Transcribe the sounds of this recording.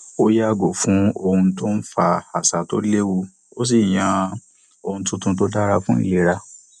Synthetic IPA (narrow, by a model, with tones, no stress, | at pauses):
o˦ja˦˨ɡo˨fũ˨˦o˧hũ˧to˦n̩˦fa˧a˨sa˨to̰˦le˦wu˧ | o˦s̬i˦˨j̃ã˧˦ | o˧hũ˧tũ˧tũ˧t̬o˦da˦ɾa˧fũ˦ḭ˦˨le˨˧˦ɾa˧